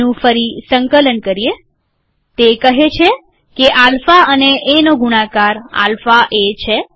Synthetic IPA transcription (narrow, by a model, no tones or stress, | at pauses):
ũfəɾisəŋkələnkəɾie | t̪ekəɦet͡ʃʰe | keʔalfaəneʔːnoɡuɽãkaɾa̰lfaʔet͡ʃʰe